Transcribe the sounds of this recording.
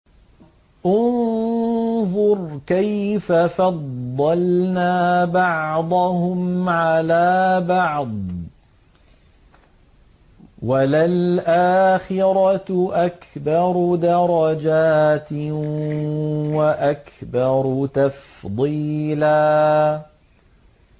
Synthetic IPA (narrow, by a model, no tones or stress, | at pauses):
ʔʊnn | ðˤʊɾkajfafɑd̪ˤːɑlnaːbɑʕʕd̪ˤɑhʊmʕalaːbɑʕd̪ˤ | walalʔaːxɪɾˤɑʔakbɑɾˤd̪ɑɾˤɑd͡ʒaːt̪ | waʔakbɑɾˤt̪ɑf | d̪ˤiːlaː